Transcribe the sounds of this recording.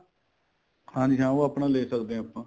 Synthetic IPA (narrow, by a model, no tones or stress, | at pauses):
kʰãːnɪʃãːoapnãːleːsəkd̪ẽːapːãː